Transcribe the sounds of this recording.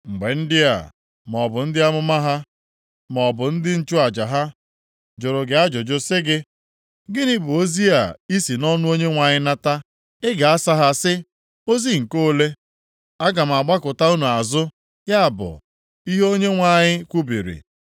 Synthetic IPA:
ŋ͡m̩˨ɡ͡be˨n̩˦dɪ˦a̰˨ | m˨ɔ˨bʊ˨n̩˦dɪ˦a˦mʊ˦ma˦ɦa˦ | m˨ɔ˨bʊ˨n̩˦dɪ˦n̩˦t͡ʃʊ˦a˨d͡ʒa˨ɦa˦ | d͡ʒʊ˨ɾʊ˨ɡɪ˨a˦d͡ʒo˨d͡ʒo˦sɪ˦ɡɪ˦ | ɡɪ˦ni˦bʊ˨o˦zi˦a̰˨i˦si˨nɔ˦nʊ˦o˦ɲe˦ŋʷa˨ɲɪ˦na˦ta˦ | ɪ˦ɡa˨a˦sa˦ɦa˦sɪ˦ | o˦zi˦ŋ̩˨ko˦le˦ | a˦ɡa˨m̩˨a˨ɡ͡ba˦kʊ˨ta˦u˦nu˨a˨zʊ˦ | ja˦a˨bʊ̰˨ | i˦ɦo˦ɲe˦ŋʷa˨ɲɪ˦kʷu˦bḭ˨ɾḭ˨

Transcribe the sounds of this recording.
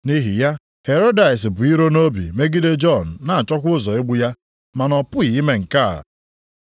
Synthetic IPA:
ni˦ɦi˨ja˦ | he˨ɾo˦da˨ɪ˨s̬bʊ˨i˦ɾo˦no˦bḭ˨me˦ɡi˦de˦d͡ʒɔ˦˨n̩˨na˨a˨t͡ʃɔ˦k̬ʷʊ˦ʊ˦zɔ˨e˦ɡ͡bʊ˦ja˦ | ma˨nɔ˨pʊ˦i˨i˦me˦ŋ̩˨ka̰˦˨

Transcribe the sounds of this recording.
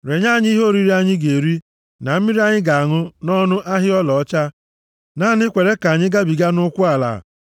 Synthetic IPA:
ɾe˨ɲa˦˨ɲ˦i˦ɦo˦˨ɾi˦ɾi˦a˦ɲɪ˦ɡe˨ɾi˦ | na˨m̩˦mi˦ɾi˦a˦ɲɪ˦ɡa˨a˨ŋʊ˦nɔ˦nʊ˦ʔa˦ɦɪ˦ɔ˦lɔ˨ɔ˦t͡ʃa˦ | na˦nɪ˦kʷe˨ɾe˦ka˨ɲɪ˦ɡa˦bi˨ɡa˦nʊ˦kʷʊ˦a˨la̰˨

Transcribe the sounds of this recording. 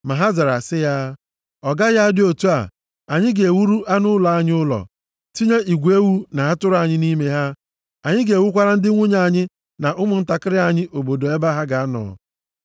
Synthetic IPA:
ma˨ɦa˦za˨ɾa̰˨sɪ˦ja˦ | ɔ˨ɡa˦ja˦dɪ˦o˨tu˦a̰˨ | a˨ɲɪ˦ɡe˨e˨wu˦ɾu˦ʔa˦nʊ˦lɔ˨a˦ɲɪ˦ʊ˦lɔ̰˨ | ti˦ɲe˦ʔi˨ɡʷe˦wu˦na˨a˦tʊ˦ɾa˨ɲɪ˦ni˦me˦ɦa˦ | a˨ɲɪ˦ɡe˨wu˦kʷa˦ɾa˦n̩˦dɪ˦ŋʷʊ˦ɲa˦˨ɲɪ˦ | na˨ʔʊ˦mʊ˨n̩˦ta˨kɪ˦ɾɪ˦a˨ɲɪ˦ʔo˨bo˨do˨e˦ba˦ɦa˦ɡa˨a˦nɔ̰˨

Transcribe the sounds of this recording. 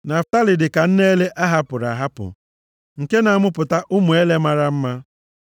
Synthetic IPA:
na˨fta˦lɪ˨dɪ˨ka˨n̩˦ne˦le˦ʔa˦ɦa˦pʊ˨ɾa˨ɦa˦pʊ̰˨ | ŋ̩˨ke˦na˨a˨mʊ˦pʊ˨ta˦ʔʊ˦mu˨e˦le˦ma˦ɾa˦m̩˦ma˦

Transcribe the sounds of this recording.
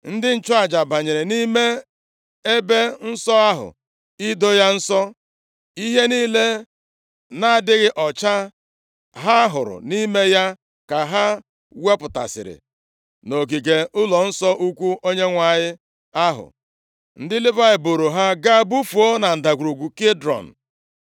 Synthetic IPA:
n̩˦dɪ˦n̩˨t͡ʃɔ˦a˨d͡ʒa˨ba˨ɲe˨ɾe˨ni˦me˦ | e˦be˦n̩˦sɔ˦a˦ɦʊ̰˨ | i˦do˦ja˦n̩˦sɔ˦ | i˦ɦe˦niː˦le˦ | na˨a˨dɪ˦ɣɪ˦ʔɔ˨t͡ʃa˦ | ɦa˦ɦʊ̰˨ɾʊ̰˨ni˦me˦ja˦ | ka˨ɦa˦ | we˦pʊ˨ta̰˨sɪ̰˨ɾɪ̰˨ | no˨ɡi˨ɡe˨ʊ˦lɔ˨n̩˦sɔ˦ʔu˦kʷu˦o˦ɲe˦ŋʷa˨ɲɪ˦ | a˦ɦʊ̰˨ | n̩˦dɪ˦lɪ˦ba˦ɪ˨bo˨ɾo˨ɦa˦ɡa˦bu˦fu˨o˦na˨n̩˨da˨ɡʷu˨ɾo˨ɡʷu˨ke˦dɾɔ̰˨n̩˨

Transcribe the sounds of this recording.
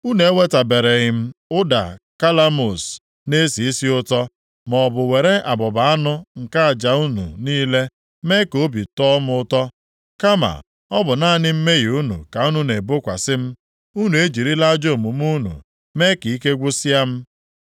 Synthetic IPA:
u˦ne˨e˦we˦ta˨be˨ɾe˨ɣɪ˨m̩˦ʊ˦da̰˨ka˦la˦mo˨s | ne˦si˨i˦si˦ʊ˦tɔ˦ | mɔ˨bʊ˨we˨ɾe˦ʔa˨bɔ˨ba˨a˦nʊ˦ŋ̩˨ka˦a˨d͡ʒa˨u˦nṵ˨niː˦le˦ | me˦ko˦bi˨tɔ˦mʊ˦ʊ˦tɔ˦ | ka˦ma̰˨ | ɔ˦bʊ˨na˦˨nɪ˦m̩˦me˦ɣi˨u˦nṵ˨ka˨u˦nu˦ne˨bʊ˦kʷa̰˨sɪ˦m̩˦ | u˦nu˨e˦d͡ʒi˨ɾi˦la˦d͡ʒo˦˨mu˨m˦u˦nṵ˨ | me˦ki˨i˦ke˦ɡʷu˦si˦a˦m̩˦

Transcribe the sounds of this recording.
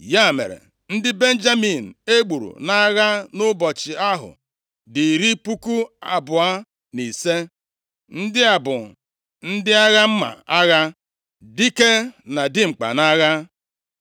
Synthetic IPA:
ja˦˨mḛ˨ɾḛ˨ | n̩˦dɪ˦be˦n̩˦d͡ʒa˦mi˨n̩˨e˦ɡ͡bu˨ɾṵ˨na˦ɣa˦nʊ˦bɔ˨t͡ʃɪ˨a˦ɦʊ̰˨ | dɪ˨ɾi˦pu˦ku˦a̰˨bʊ˨a˦ | ni˨se˦ | n̩˦dɪ˦a˨bʊ˨ | n̩˦dɪ˦a˦ɣa˦m̩˦ma̰˨a˦ɣa˦ | dɪ˦ke˦na˨dɪ˦ŋ͡m̩˨k͡pa̰˨na˦ɣa˦

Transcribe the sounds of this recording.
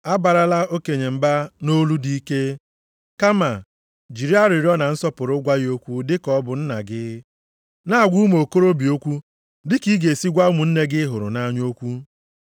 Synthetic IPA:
a˦ba˨ɾa˦la˦o˦ke˨ɲe˨m̩˨ba˦no˦lu˦di˦i˦ke˦ | ka˦ma˨ | d͡ʒi˨ɾi˦a˦ɾi˨ɾi˦ɔ˦na˨n̩˦sɔ˦pʊ˨ɾʊ˦ɡʷa˦jo˦kʷu˦dɪ˦kɔ˦bʊ˨n̩˦na̰˨ɡɪ˦ | na˦a˨ɡʷu˦m˦o˨ko˦ɾo˦bi˨o˦kʷu˦ | dɪ˦ki˦ɡe˨si˦ɡʷa˦mu˨n̩˦ne˦ɡɪ˦ɦʊ˨ɾʊ̰˨na˦ɲo˦kʷu˦

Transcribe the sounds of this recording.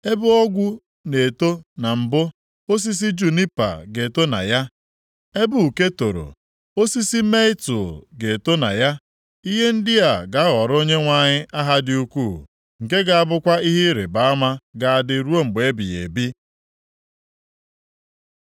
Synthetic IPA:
e˦bʊ˦ɔ˦ɡʷʊ˦ | ne˨to˦na˨m̩˨bʊ˦ | o˦s̬i˦s̬i˦d͡ʒu˨ni˦pa̰˨ɡe˨to˦na̰˨ja˦ | e˦bʊ˦u˨ke˦to˨ɾo̰˨ | o˦si˦si˦me˦ɪ˦tʊ˨ɡe˨to˦na̰˨ja˦ | i˦ɦe˦n̩˦dɪ˦a˨ɡa˨˦ɣɔ˨ɾo˦ɲe˦ŋʷa˨ɲɪ˦ʔa˦ɦa˦dɪ˦u˦kʷu˦˨ | ŋ̩˨ke˦ɡa˨a˦bʊ˦kʷa˦i˦ɦɪ˦ɾḛ˨ba˨a˦ma˦ɡa˨a˨dɪ˨ɾu˦o˦ŋ͡m̩˨ɡ͡be˨e˦bi˨jḛ˨bi˦

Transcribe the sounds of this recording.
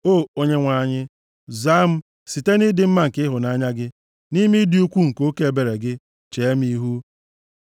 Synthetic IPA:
o˦˨o˦ɲe˦ŋʷa˦˨ɲɪ˦ | za˦m̩˦ | si˨te˦ni˦dɪ˦m̩˦ma˦ŋ̩˨kɪ˦ɦʊ˨na˨˦ɲa˦ɡɪ˦ | ni˦mi˦di˦u˦kʷu˦ŋ̩˨ko˦ke˦e˨be˨ɾe˨ɡɪ˦ | t͡ʃe˨e˦m˦i˦ɦu˦

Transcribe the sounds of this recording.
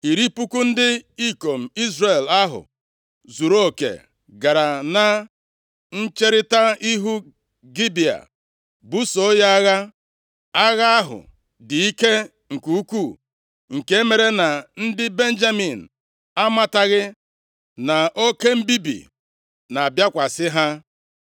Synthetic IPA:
i˨ɾi˦pu˦ku˦n̩˦dɪ˦i˦ko˨m̩˨i˦zre˨la˦ɦʊ̰˨ | zu˨ɾo˦˨kḛ˨ | ɡa˨ɾa˨na˦ | n̩˦t͡ʃe˦ɾɪ˦ta˦i˦ɦu˦ | ɡi˦bi˨a̰˨ | bu˦so˨o˦ja˦a˦ɣa˦ | a˦ɣa˦a˦ɦʊ̰˨ | dɪ˨i˦ke˦ | ŋ̩˨ku˨u˦kʷu˦˨ | ŋ̩˨ke˦e˦me˨ɾe˦na˨n̩˦dɪ˦be˦n̩˦d͡ʒa˦mi˨n̩˨ | a˦ma˦ta˦ɣɪ˦ | na˨o˦ke˦m̩˦bi˦bḭ˨ | na˨a˨bja˦kʷa˨sɪ˦ɦa˦

